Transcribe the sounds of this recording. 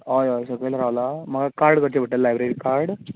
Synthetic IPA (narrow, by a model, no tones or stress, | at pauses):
ɔjɔjsəɡɭelɾaʋlam̤əɡakaɾɖkəɾt͡ɕebʱəʈəlːajbɾeɾiːkaɾɽ